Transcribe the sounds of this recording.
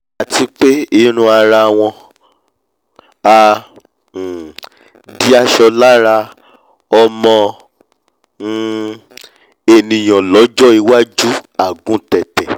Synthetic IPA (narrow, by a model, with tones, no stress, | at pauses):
a˨ti˧k͡pe˦i˦ɾ̃ũ˧˦a˧ɾa˧˨w̃ɔ̃˧ | a˧˨ | di˦a˦ʃɔ˧la˦ɾa˧ | ɔ˧mɔ̃˧˦ | e˧nĩ˨j̃ɔ̃˨lɔ˨˦d͡ʒɔ˦i˧wa˦d͡ʒu˦a˨ɡũ˦tɛ˨tɛ˨